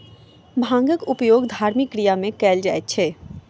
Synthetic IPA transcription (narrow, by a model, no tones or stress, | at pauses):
bʱãːŋɡəkʊpjoːɡd̪ʱaːɾmɪkːɾijamẽkɛːld͡ʒaːet̪̚t͡ʃʰeː